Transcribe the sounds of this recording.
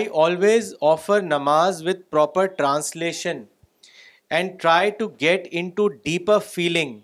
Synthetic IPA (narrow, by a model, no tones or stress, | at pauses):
aɪʔɔːlʋeːzɔːfəɾnɐmaːzʋɪd̪̚pɾɔːpəɾʈɾãːnsleːʃə̃n | ɛ̃ɳɖ̚ʈɾaɪʈuɡɛʈɪ̃ɳʈuɖiːpəɾfiːlɪ̃ŋ